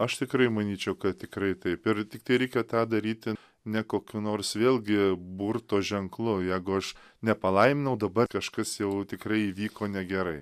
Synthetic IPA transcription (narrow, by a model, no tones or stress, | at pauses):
ɐʃt̪ʲɪkɾɐɪmɐnʲiːt͡ʃʲɛʊkɐt̪tʲɪkɾɐɪt̪ɐɪpɪɾt̪ʲɪk̚t̪ɐɪɾʲɛɪkʲɛt̪ɑːd̪ɐɾʲiːt̪ʲɪ | nʲɛkoːkʲunoːrsʋʲeːlˠʲɡʲɪbuːrt̪oːʒʲɛŋklˠʊjɛɪɡʊɐʃ | nʲɛpɐlˠɐɪmʲɪnɐʊd̪ɐbɐrkɐʃkɐsjɛʊt̪ʲɪkrɐɪiːʋʲiːkoːnʲɛɡʲɛɾɐɪ